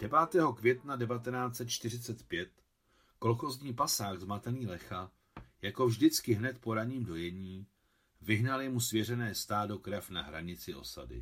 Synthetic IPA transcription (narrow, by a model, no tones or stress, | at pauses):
d̥ɛvaːt̪ɛːɦo̞kvjɛt̪nadɛvat̪ɛnaːt͡sɛt̪̚t͡ʃt̪ɪr̝ɪt͡sɛt̪pjɛt̪ | ko̞lxozɲiːpasaːɣzmat̪ɛniːlɛxa | jako̞vʒdɪt͡skɪɦnɛt̪po̞ɾaɲiːmdo̞jɛɲiː | vɪɦnaljɛmusvjɛrɛnɛːst̪aːdo̞kɾɛfnaɦɾaɲɪt͡sɪʔo̞̰sa̰dɪ̰